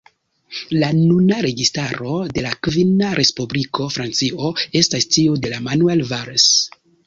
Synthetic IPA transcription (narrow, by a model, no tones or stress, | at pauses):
lanunaɾe̞ɡistaɾo̞de̞lakvinaɾʔe̞spublikʰo̞fɾant͡sio̞e̞stastiode̞lamanue̞lvaɾs